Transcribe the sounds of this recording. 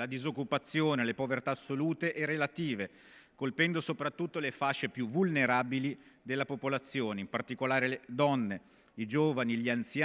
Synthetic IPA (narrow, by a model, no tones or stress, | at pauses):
lad̪izokːupat̪sːjoːnelepovert̪aːsːoluːt̪eʔɛrːelat̪iːve | kolpɛnd̪osopɾat̪ːut̪ːolefat͡ʃːepjuvulneɾaːbili | d̪elːapopolat̪sːjoːneimpart̪ikolaːɾeled̪ɔnːe | id͡ʒoːvaniʎiant̪sja